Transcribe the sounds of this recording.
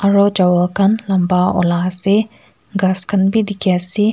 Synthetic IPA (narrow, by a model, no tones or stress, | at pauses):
ɐɾod͡ʒɐwɐlkɐnlɐmbaɔ̰lase | ɡɐskɐnbid̪ikjasi